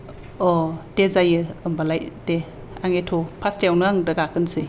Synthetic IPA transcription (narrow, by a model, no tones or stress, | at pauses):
ɔtezajɯɯmbalajte | aŋetʰopʰastewnɯaŋdaɡakɯnsɯ